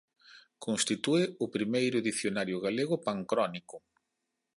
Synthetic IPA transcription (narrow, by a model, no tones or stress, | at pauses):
konst̪it̪uɪʊpɾimejɾʊðiθjonaɾjʊɣaleɣʊpaŋkɾɔnikʊ